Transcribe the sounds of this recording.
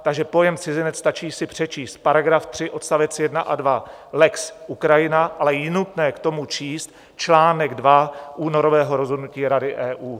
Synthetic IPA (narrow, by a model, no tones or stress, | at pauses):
t̪aɡʒɛpo̞jɛmt͡sɪzɪnɛt͡sst̪at͡ʃiːsɪpr̝̥ɛt͡ʃiːst̪̚paɾaɡɾaft̪r̝̥ɪʔo̞t̪st̪avɛt͡sjɛdnaʔadva | lɛksʔukɾajɪnaʔalɛjɪnut̪nɛːkt̪o̞mut͡ʃiːst̪̚ | t͡ʃlaːnɛɡdvaʔuːno̞ɾo̞vɛːɦo̞ɾo̞zɦo̞dnuciːɾadɪʔɛːʔuː